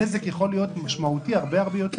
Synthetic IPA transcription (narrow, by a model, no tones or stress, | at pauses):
ezekjeχo̞lijo̞t̪maʃmaut̪iaʁbe̞aʁbejot̪e